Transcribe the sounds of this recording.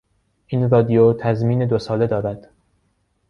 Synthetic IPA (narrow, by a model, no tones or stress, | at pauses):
ʔiːnɾɒːd̪ijot̪ʰæzmiːne̞d̪osɒːle̞d̪ɒːɾæd̪̥